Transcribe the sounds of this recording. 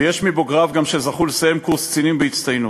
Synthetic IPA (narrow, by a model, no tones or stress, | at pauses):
jeʃmibo̞ɡʁavɡamʃezaχulesejemkuʁst͡sinimbeit͡st̪ajnu